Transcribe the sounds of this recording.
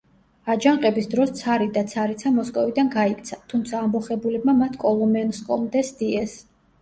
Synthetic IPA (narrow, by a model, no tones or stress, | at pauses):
ad͡ʒaɴqʼɛbisd̪ɾɔst̪sʰaɾid̪at̪sʰaɾit̪sʰamɔskʼɔvid̪anɡaikʰt̪sʰat̪ʰumt̪sʰaːmbɔχɛbulɛbmamat̪ʰkʼɔlˠɔmɛnskʼɔ̰md̪ɛsd̪iɛs